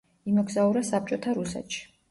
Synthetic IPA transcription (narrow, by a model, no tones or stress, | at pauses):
imɔɡzauɾasap̚t͡ʃʼɔt̪ʰaɾusɛ̰t̪ʃi̥